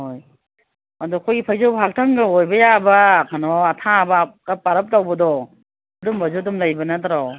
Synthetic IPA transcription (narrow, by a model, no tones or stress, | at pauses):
hoj | adɔkʰɔjɡipʰajzɔwbɦak̚tʰaŋɡɯojbɐjabakʰanɔatʰabakapaɾɯp̚tawbɐdɔ | dɔmbazɔdɔmlajbɐnatʰaɾɔw